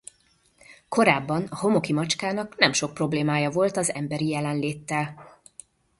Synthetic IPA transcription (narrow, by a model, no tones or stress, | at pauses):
ko̞ɾaːbːɒnɒɦo̞mo̞kimɒt͡ʃkaːnɒknɛmʃo̞k̚pro̞bleːmaːjɒvo̞lt̪ɒzɛ̰mbɛɾijɛlɛnleːt̪ːɛl